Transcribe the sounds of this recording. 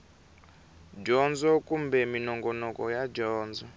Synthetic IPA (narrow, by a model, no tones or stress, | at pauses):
d͡ʒɔnd͡zɔkumbɛminɔŋɡɔnɔkɔjad͡ʒɔːnd͡zɔ